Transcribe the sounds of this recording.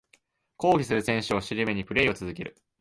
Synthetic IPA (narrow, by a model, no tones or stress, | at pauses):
ko̞ːɡʲisɨɾɯ̟sẽ̞ɰ̃ɕɨoɕiɾʲɯme̞ɲ̟ipɯ̟ɾe̞io̞t͡sɨzɨke̞ɾɯ̟